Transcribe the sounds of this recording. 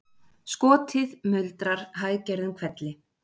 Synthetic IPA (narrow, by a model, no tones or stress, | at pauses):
skɔːt̪ʰɪðmʏlt̪ɾaɾ̥ɦaːjcɛɾðʏmkʰv̥ɛt̪lɪ